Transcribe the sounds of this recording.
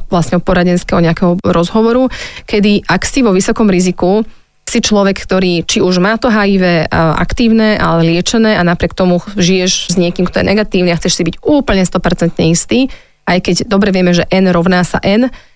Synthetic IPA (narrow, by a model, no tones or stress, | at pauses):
ʋlasɲɛɔpɔɾaɟɛnskɛɦɔɲɛakɛɦɔɾɔzɦɔʋɔɾukɛd̪iʔaksiʋɔʋisɔkɔmɾiziku | sit͡ʃlɔʋɛkkːt̪ɔɾiːt͡ʃiuʒmaːt̪ɔɦajiʋɛʔa̰kt̪iːʊnɛːʔa̰lɛlɪɛt͡ʃɛnɛːanapɾɪɛk̚t̪ɔmuʒijɛʒzɲɪɛkiːmkt̪ɔjɛ̰nɛɡat̪iːʋʊniaxt͡sɛʃsibiɟuːpl̩ɲɛst̪ɔpɛɾt͡sɛnt̪ɲɛist̪iː | ajkɛɟd̪ɔbɾɛʋɪɛmɛʒɛʔɛnɾɔʋnaːsa̰ʔɛn